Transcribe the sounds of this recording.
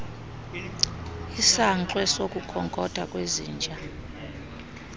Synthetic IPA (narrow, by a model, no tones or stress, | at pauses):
isaǀwɛsokʼukʰɔŋkʼɔd̥ʱakʼweziːnd͡ʒʱa